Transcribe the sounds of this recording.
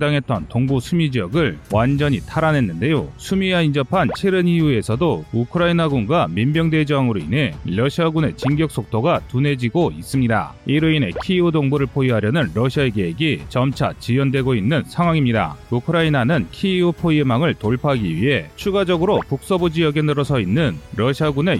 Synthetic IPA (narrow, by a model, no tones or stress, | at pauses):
daŋɦe̞t͈ʌntoŋbusʰumid͡ʑijʌɡɯɭwand͡ʑʌɲitʰaɾanɦe̞nːɯnde̞josʰumiaind͡ʑʌpʰant͡ɕʰe̞ɾɯniue̞sʰʌdoukʰɯɾainaɡuŋɡwamimbjʌŋde̞d͡ʑʌŋɯɾoḭnɦe̞ːʌɕʰiaɡune̞̰t͡ɕiŋɡjʌk̚s͈ok̚tʰoɡatune̞d͡ʑiɡois͈ɯmɲida̰iɾɯine̞̰kʰiudoŋbuɾɯɭpʰoiɦaɾjʌnɯnɾʌɕʰiaeɡe̞ːɡit͡ɕʌmt͡ɕʰa̰t͡ɕijʌndwe̞ɡoinːɯnsʰaŋwaŋimɲida̰ukʰɯɾainanɯnkʰiupʰoiemaŋɯɭtoɭpʰaɡiɥiɦe̞t͡ɕʰuɡad͡ʑʌɡɯɾopuk̚s͈ʌbod͡ʑijʌɡe̞nɯɾʌsʰʌinːɯnɾʌɕʰiaɡune̞